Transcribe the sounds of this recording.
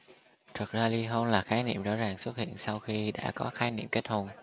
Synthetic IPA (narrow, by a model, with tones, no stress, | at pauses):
t̪ʰə˨˩k̚zaː˧li˧ɦo˧nlaː˨˩xaː˨˦jnḭ˧˨mzɔ̰˧˥zaː˨˩ŋswə˦˥t̚hḭ˧˨ənsa˧wxi˧ɗa̰ː˧˥kɔ˨˦xaː˨˦jnḭ˧˨mke˦˥t̚ho˧n